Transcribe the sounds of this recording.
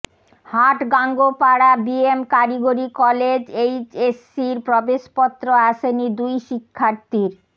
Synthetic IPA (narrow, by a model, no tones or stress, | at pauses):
haʈɡaŋɡopaɽabiemkaɾiɡoɾikɔled͡ʑejt͡ɕesːiɾpɾɔbeʃpɔt̪ːɾoaʃenid̪ujʃikʰːaɾt̪iɾ